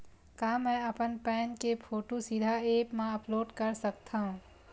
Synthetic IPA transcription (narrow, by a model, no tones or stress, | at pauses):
kaːmɛ̃ːɐpənpɛ̃ːnkepʰoːʈosid̪ʱaeːpmãɐploːɖkəɾsək̚t̪ʰaɦũ